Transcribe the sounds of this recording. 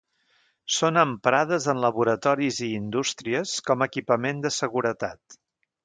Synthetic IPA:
sonəmpɾað̞əzənləβuɾət̪ɔɾiziːnd̪ust̪ɾiəskɔməkipəmend̪əsəɣuɾət̪at̪

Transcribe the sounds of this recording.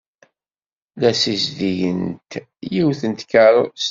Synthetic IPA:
læsizðijənt̪ | jiwθənt̪kəɾˤs

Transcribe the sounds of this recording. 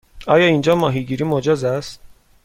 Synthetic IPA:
ɒːjɒːind͡ʒɒːmɒːɦiɡiːɾiːmod͡ʒɒzæst̪

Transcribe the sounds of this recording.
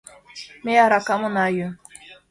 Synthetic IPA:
mejaɾakamʊnaju

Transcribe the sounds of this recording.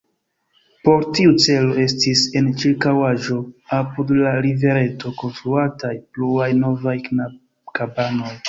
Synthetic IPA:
po̞ɾtiut͡se̞lo̞e̞stise̞nt͡ʃiɾkawaʒo̞apudlaɾive̞ɾe̞to̞ko̞nstɾuatajpluajno̞vaja | kabano̞j

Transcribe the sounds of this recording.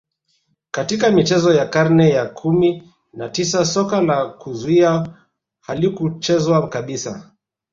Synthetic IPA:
katikamit͡ʃɛzɔjakaɾnɛjakʰumi | natisasɔkalakuzuia | halikut͡ʃɛzwakaɓisa̰

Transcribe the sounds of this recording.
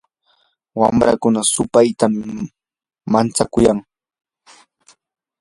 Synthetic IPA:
wa̰mɾa̰kʊnasʊpajt̪am | mant͡sakʊjaŋ

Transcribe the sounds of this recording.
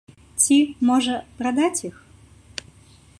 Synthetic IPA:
t͡sʲimɔʐɐpɾad̪at͡sʲix

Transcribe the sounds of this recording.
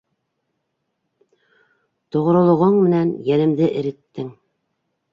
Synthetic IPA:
t̪ŏʁ̆ɾŏlˠŏʁoɴmɘ̆nænjænɘ̆md̪ɘʔɘ̆ɾɘ̆t̪ːɘŋ

